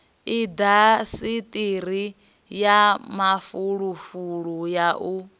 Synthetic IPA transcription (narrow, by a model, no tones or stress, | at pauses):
id̪asit̪ʼiɾ̤i | jamafuɺufuɺujaʔu